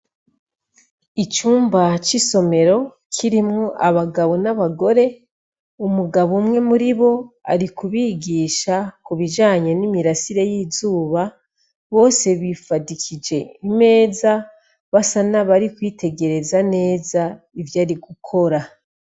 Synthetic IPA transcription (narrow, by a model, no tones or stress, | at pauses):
it͡ʃuːmbat͡ʃiso̞me̞ɾo̞ | kʰiɾimŋoʔaβaɡaβo̞naβaɡo̞ɾe̞ | umuɡaβumŋe̞muɾiβo̞a̰ɾikuβiːɡiːʃakuβid͡ʒaːɲe̞nimiɾasiɾe̞jiːzuːβa | βo̞ːse̞βifadikʰid͡ʒe̞ime̞ːza | βasanaβaɾikwiːtʰe̞ɡe̞ɾe̞zane̞ːza | ivjaːɾiɡukʰo̞ɾa